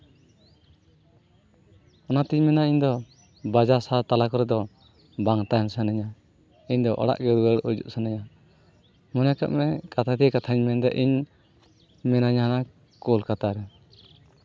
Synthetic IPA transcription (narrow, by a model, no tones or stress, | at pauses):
ɔnat̪iɲmɛnaiɲd̪ɔ | bad͡ʒasat̪alakɔɾɛd̪ɔ | baŋt̪aɲsanɛɲa | iɲd̪ɔʔɔ̰ɽa̰ʔɡɛɾuwɛɽud͡ʒṵʔsanɛɲa | mɔnjakaʔmɛkat̪ʰat̪iɛkat̪ʰaɲmɛnd̪ɛ̰ʔiɲ | mɛnaɲana | kɔlkat̪aɾɛ